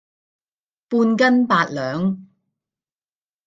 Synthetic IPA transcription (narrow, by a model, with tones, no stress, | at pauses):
puː˧nkɐ˥npaː˧t̚lœː˨˥ŋ